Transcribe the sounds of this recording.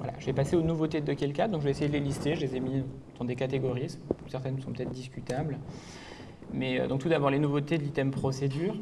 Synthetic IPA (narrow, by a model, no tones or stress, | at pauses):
vwa̰la̰ʒəvɛpaseonuvot̪ed̪d̪økʲɛlkʲad̪ɔ̃kʒəvɛːsejed̪əlelist̪eʒəlezɛmi | d̪̥ɑ̃d̪ekat̪eɡɔʁissɛʁt̪ɛnsɔ̃pət̪ɛt̪χd̪iskʲyt̪abl | mɛø̰d̪ɔ̃k̚t̪ud̪abɔʁlenuvot̪ed̪əlit̪ɛmpχɔsed̪yːʁ